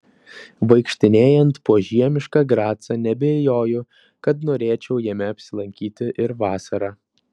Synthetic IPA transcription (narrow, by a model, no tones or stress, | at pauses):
ʋɐɪkʃʲt̪ʲɪnʲeːjɛnt̪poːʒʲiɛmʲɪʃkɑɡɾɑːt̪sɐnʲɛbʲeːjoːjʊ | kɐt̪noːɾʲeːt͡ʃʲɛʊjɛmʲɛɐpʲsʲɪlˠɐŋʲkʲiːt̪ʲɪʔɪɾʋɑːsɐɾɑː